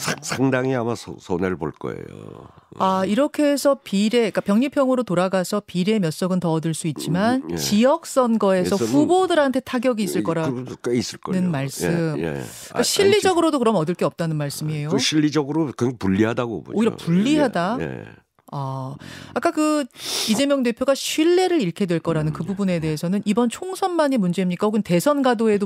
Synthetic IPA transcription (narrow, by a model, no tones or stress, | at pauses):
sʰaŋdaŋiamasʰʌ̰sʰʌneɾɯɭbo̰ɭk͈ʌ̰ḛjo̰aiɾʌkʰe̞ːsʰʌpiɾe̞ik͈apjʌŋɲipʰjʌŋɯɾotoɾaɡasʰʌpiɾe̞mjʌs͈ʌɡɯntʌʌdɯɭs͈uit̚t͡ɕ͈imant͡ɕijʌk̚s͈ʌnɡʌe̞sʰʌɸubodɯɾɦantʰe̞tʰaɡjʌɡiːs͈ɯɭk͈ʌɾak͈eis͈ɯɭk͈ʌnɯnmaɭs͈ɯmḛ | k͈aɕʰiʎːid͡ʑʌɡɯɾodokɯɾʌmʌdɯɭk͈eʌp̚t͈anɯnmaɭs͈ɯmie̞joɕʰiʎːid͡ʑʌɡɯɾokŋɡpuʎːiɦadaɡo̰bo̰oiɾapuʎːiɦadaj̰ | a | ak͈akɯid͡ʑe̞mjʌŋde̞pʰjoɡaɕʰɥiɭːe̞ɾɯɾiɭkʰe̞dwe̞ɭk͈ʌɾanɯnkɯbubune̞de̞ɦesʰʌnɯnibʌnt͡ɕʰoŋsʰʌnmaɲimund͡ʑe̞imɲik͈ahoɡɯnte̞sʰʌnɡadoe̞do